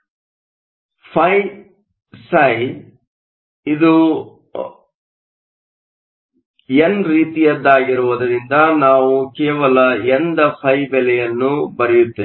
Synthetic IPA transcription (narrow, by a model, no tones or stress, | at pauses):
pʰɐj | sɐj | id̪u | enɾiːt̪ijɐd̪ːaːɡiɾuʋɐd̪ɐɾind̪ɐnaːʋukɛːʋɐlɐend̪ɐpʰɐjbɛlɛjɐnːubɐɾɛjut̪ːe